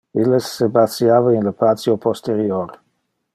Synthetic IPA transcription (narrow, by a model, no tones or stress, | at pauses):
ilesːebasjaːvainləpat̪t͡sjopost̪eɾjoɾ